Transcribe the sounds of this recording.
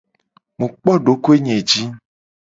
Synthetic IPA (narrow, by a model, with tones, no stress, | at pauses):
mũ˨k͡pɔ˦ɖo˨˦ko˦e˦ɲẽ˨d͡ʒi˦